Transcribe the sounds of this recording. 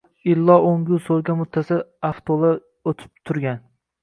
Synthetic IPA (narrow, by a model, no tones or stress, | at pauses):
ɪlːɒoŋɡʲʊsolˠɡʲamʊt̪ʰːasɪaft̪ʰolˠa | ot̪ʰɪ̥p̚t̪ʰʊɾɡʲan